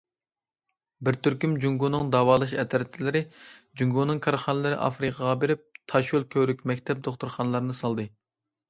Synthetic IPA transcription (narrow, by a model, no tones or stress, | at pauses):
bɪɾt̪ʰyɾkʲymd͡ʒuŋɡunɨŋd̪ɑːwɑːlˠɨʃɛt̪ʰɾɛt̪ʰːɪlɪɾɪd͡ʒuŋɡunɨŋkʰɑɾχɑnɨlɨɾɨ̰ʔɑ̰fɾɨqʰɑʁɑbeɾɪp̚t̪ʰɑʃulˠkʲʰøɾykʲmɛkʲt̪ʰɛp̚d̪oχt̪uɾχɑnlˠɑɾɨnɨsɑlˠd̪ɨ